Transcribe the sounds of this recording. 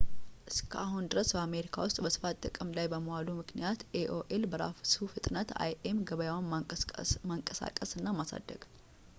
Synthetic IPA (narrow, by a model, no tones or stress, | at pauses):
ʔɨskʰəʔahund̪ɨɾəsbəame̞ɾikʰa̰wʊst̪ʼbəsɨ̥fat̪t̪ʼːɨkʼɨmlajbəməwalumɨknijat̪eʔoʔelbəɾa̰fsufɨt̪ʼnət̪a̰jʔemɡəβəjawan | maŋkʼəsa̰kʼəsɨnːamasa̰d̪ːə̰ɡ̥